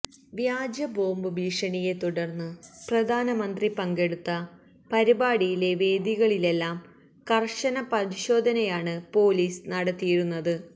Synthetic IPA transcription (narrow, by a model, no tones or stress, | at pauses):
ʋjaːd͡ʑɐbo̞ːmbɨbʱiːʂɐɳije̞t̪uɽɐrnːɨprɐd̪ʱaːnɐmɐnd̪ripɐŋɡe̞ɽut̪ːɐ | pɐɾibaːɽijile̞ʋe̞ːd̪iɣɐɭile̞lːaːm | kɐrʂɐnɐpɐɾiɕo̞ːd̪ʱɐnɐjaːɳɨpo̞ːliːsnɐɽɐt̪ːijɾunːɐðɨ